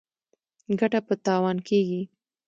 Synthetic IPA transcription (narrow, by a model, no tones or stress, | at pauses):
ɡaʈapət̪ɑwɑnkeɡi